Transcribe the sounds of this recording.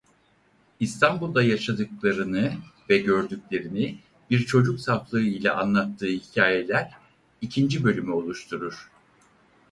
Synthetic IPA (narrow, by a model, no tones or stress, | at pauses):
ist̪ʰanbulˠd̪ajaʃad̪ɯklˠaɾɯnɯvɛɟøɾd̪ycʲlʲe̞ɾini | biɾt͡ʃʰo̞d͡ʒuksaflˠɯɯilʲɛ̰ʔa̰nlˠat̪ʰːɯːhicʰaːjelʲæɾ | icʰind͡ʒibø̞lʲymyo̞lˠuʃt̪ʰuɾuɾ̥